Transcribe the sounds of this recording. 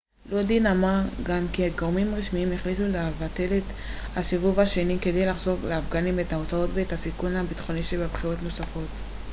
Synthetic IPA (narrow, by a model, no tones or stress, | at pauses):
lodinamaɡamkiaɡoʁmimʁiʃmiimeχlitulevate̞let | haʃivuvaʃe̞nike̞d̪ejlaχzo̞vleafɡanimetao̞t͡sao̞tveethasikunhabit̪χo̞niʃebabχiʁo̞tno̞safo̞t